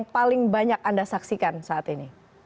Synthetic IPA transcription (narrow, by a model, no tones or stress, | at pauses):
ŋpalɪŋbaɲakandasaksikansaːt̪ini